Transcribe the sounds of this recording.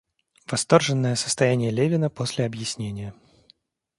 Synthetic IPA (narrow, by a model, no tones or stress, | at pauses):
vɐst̪o̞rʐɨnːəjəsə̥st̪ɐjænʲɪjəlʲevʲɪnəpo̞sʲlʲɪɐbjɪsʲnʲenʲɪjə